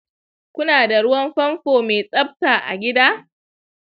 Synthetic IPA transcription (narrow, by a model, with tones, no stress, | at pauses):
kʷʊ˦naː˨da˨ɽʊ˦wɐ˦mɸɐ˦mɸoː˨me˨sʼɐ˦b̚taː˨ʔa̰˨ɡʲɪ˦daː˦